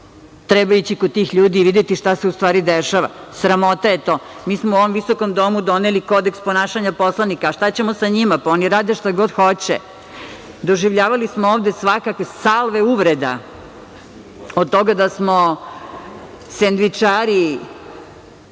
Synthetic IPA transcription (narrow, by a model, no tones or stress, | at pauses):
t̪ɾebajut͡ɕikod̪̚t̪iːxʎuːd̪iːʋid̪et̪iʃt̪aseust̪ʋaːɾid̪eʃaʋa̰sɾamot̪ajet̪o̞ːmiːsmouoʋomʋisoko̞md̪o̞mud̪o̞neliko̞d̪ekspo̞naːʃaɲapo̞slˠanikaːʃt̪at͡ɕemosaɲimapao̞niɾaːd̪eʃt̪aɡo̞d̪xo̞t͡ɕe | d̪oʒiʋʎaːʋalismooːʋd̪e̞sʋakakʋesalˠʋeuʋɾed̪a̰ | od̪̚t̪o̞ɡad̪asmo | send̪ʋit͡ʂaɾi